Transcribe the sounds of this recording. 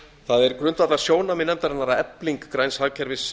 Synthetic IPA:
θaðɛɾkɾʏnt̪vat̪laɾsjoːwnamɪnːɛmt̪aɾɛnːaɾaɛpliŋkːɾajnshaɣcʰɛɾvɪs

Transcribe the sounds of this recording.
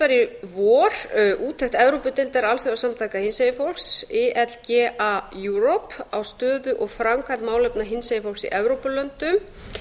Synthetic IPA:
aɾɪvɔːɾ̥ʔuːt̪ʰɛxt̪ɛvɾowpʏt̪ejnt̪ɛɾalθœawsamt̪ʰaːjkahɪnsejɪfɔlksɛʔɛt̪lcɛːʔajuɾopawst̪œːðʏʔɔɣfɾamkʰant̪maːwlɛpnaɦɪnsejɪfɔlsḭʔɛvɾowpʏlœnt̪ʏm

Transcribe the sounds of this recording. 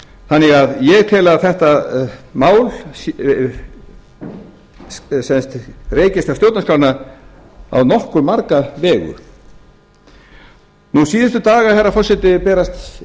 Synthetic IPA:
θanːɪɣaðjɛɣt̪ʰɪːlaθɛht̪amaːwl | sɛnst̪reːjcɪst̪awsjowt̪nakʰɾawna | a̰wnɔhkʏɾmaɾkavɛːɣʏ̰ɾ̥ | nusiːðɪnst̪ʏt̪aːɣahɛɾːafɔrsɛt̪ɪpɛːɾast̪

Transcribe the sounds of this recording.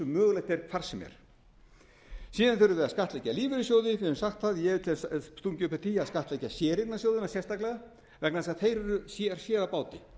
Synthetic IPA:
ʏmœːɣlajht̪ɛɾ̥kʰvar̥sɛmɛ̰ɾ̥ | siːðanθɛɾʏvɛːðaskaht̪lɛjcːaliːvɪɾɪsjowðɪvɪɛmsaxt̪θaðjɛt̪ʰɪlsst̪uŋcʏpɛt̪ʰiaðskaht̪lejcasjɛːɾɪk̪nasjoːwðɪnasjɛst̪aklɛɣa | vɛknaðsaðθejɾʏɾʏsjɛaɾ̥sjɛːɾapaːwt̪ɪ

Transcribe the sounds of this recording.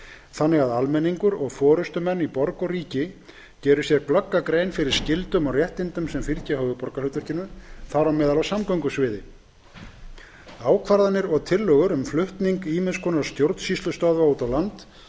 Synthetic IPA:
θanːɪɣaðalmɛniŋkʏɾɔɣfɔːɾʏst̪ʏmɛnːipɔɾkɔriːcɪ | cɛːɾʏ̥sjɛɾklœkːakɾejnfɪɾɪɾ̥scɪlt̪ʏmawrjɛht̪ɪnt̪ʏmsɛmfiɾcɪɦœːɣʏpɔɾkalʏːt̪ʏɾ̥cɪnːʏθaɾawmɛːðalvasamkœɥŋkʏsvɪːðɪ | aːwkʰvaɾðanɪɾɔɣt̪ʰɪlːœːɣʏɾʏmflʏht̪niŋkiːmɪnskʰɔːnaɾ̥st̪jowɾt̪n̥sist̪ʏst̪œðvauːt̪awlant̪

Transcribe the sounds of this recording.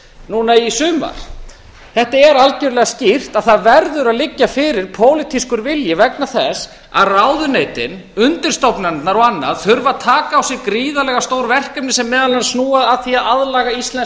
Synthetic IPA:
nuːnaisʏːma̰ɾ̥ | θɛht̪aɛɾalcœɾʏlɛɣascir̥t̪aðθaðvɛɾðʏɾaðlɪcːafɪːɾɪɾ̥pʰoːwlɪt̪ʰiskʏɾvɪljɪvɛknaθɛs | a̰ðrawðʏneːjt̪ɪn | ʏnt̪ɪɾ̥st̪owpnant̪naɾɔɣanːaðθʏɾvaðt̪ʰaːkaːwsɪɣkɾiːðalɛɣast̪oːwɾvɛr̥kɛpnɪsɛmːɛːðalvɛnsnuːaðaðθiaðaðlaːɣaist̪lɛn

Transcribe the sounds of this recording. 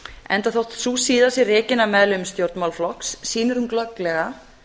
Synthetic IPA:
ɛnt̪aθowht̪susiːðasjɛrɪːcɪnːamɛðlʏmst̪jowɾt̪nmawlflɔksːiːnʏɾʏmklœklɛɣa

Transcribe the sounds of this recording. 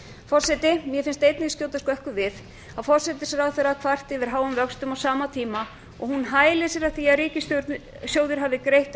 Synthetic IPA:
fɔr̥sɛt̪ɪmjɛfɪnst̪ejt̪nɪskcjoːwt̪askɔɛhkʏvɪð | aðfɔɾ̥sɛt̪ɪsɛɾawθɛɾakʰvar̥t̪ɪvɪɾ̥ɦaːwʏmvœkst̪ʏmawsaːmat̪ʰiːma | ɔ̰ɣhunɦaːjlɪsjɛɾaθiaðɾiːcɪst̪ | sjowðɪɾ̥ɦavðɪkɾejht̪

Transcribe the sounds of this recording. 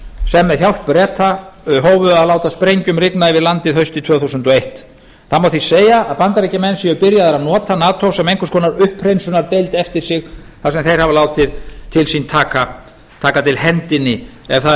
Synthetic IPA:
sɛmːɛðçjawl̥ppɾɛːt̪ʰaɦoːwvʏðaðlaːwt̪aspɾejɲcʏmrɪknaɪvɪðlant̪ɪðɦœɥst̪ɪt̪ʰv̥œːθusʏnt̪ɔejht̪ | θaðmawθiseːjaːðpant̪aɾijcamɛnːsjɛʏpɪɾjaðaɾanɔːt̪anaːt̪ʰowsɛmejŋkʏskʰɔːnaɾʏhprejnsʏnaɾt̪ejlt̪ɛft̪ɪɾ̥sɪɣ | θasɛmθejɾ̥havalaːwt̪ɪðt̪ʰɪlsint̪ʰaːka | t̪ʰaːkat̪ʰɪlhɛnt̪ɪnːɪɛvθa

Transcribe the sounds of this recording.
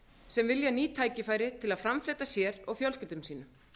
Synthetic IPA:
sɛmvɪljaniːt̪ʰaːjcɪfaːjɾɪt̪ʰɪlaðfɾamfleːt̪asjɛɾɔɣfjœlscɪp̚t̪ʏmsiːnʏ

